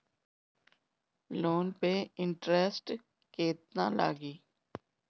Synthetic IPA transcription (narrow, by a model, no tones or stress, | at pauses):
loːnpeɪɳʈɾeːsʈ | keːt̪̚na̰ːla̰ːɡiː